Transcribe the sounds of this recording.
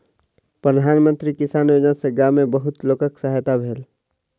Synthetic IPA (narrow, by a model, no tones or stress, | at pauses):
pɾəd̪ʱaːnmə̃nt̪ɾikɪsaːnjoːd͡ʒənseɡamẽbəɦʊt̪loːkəksəɦjt̪abʱeːl